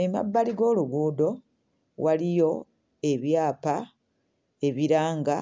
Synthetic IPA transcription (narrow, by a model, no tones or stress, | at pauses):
ema̰bːaliɡo̞ːluɡuːdo̞ | wʔalijo̞ | e̞βjaːpa | eβiɾaːŋɡa